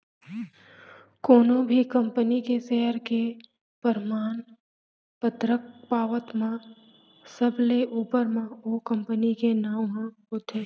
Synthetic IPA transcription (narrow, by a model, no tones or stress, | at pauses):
koːnõbʱikɐ̃mpənikeʃeɦəɾke | pəɾmaːn | pət̪ɾək̚paːʋət̪mã | səbleʔuːpəɾmãokɐ̃mpənikenaːwɦã | ʊt̪ʰeː